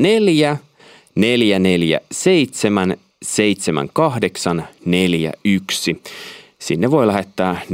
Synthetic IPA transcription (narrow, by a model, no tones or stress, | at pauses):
neljæ | neljæneljæ̰seit̪semæn | seit̪semæ̰ŋkɑhdeksɑnneljæ̰yksi | sinːeʋoilæɦet̪ːæː